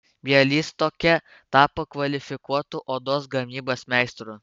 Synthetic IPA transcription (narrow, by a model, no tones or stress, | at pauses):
bʲiɛlʲiːst̪oːkʲɛ | t̪ɑːpɐkʋɐlʲɪfʲɪkuɔt̪ʊʔoːd̪oːsɡɐmʲiːboːsmʲɛˑɪst̪ɾʊ